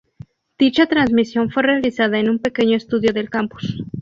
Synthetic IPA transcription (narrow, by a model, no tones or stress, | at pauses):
d̪̥it͡ʃat̪ɾansmisjo̞nfwe̞realisaðaenũmpe̞ke̞ɲo̞est̪uðjo̞ðe̞lkampu̥s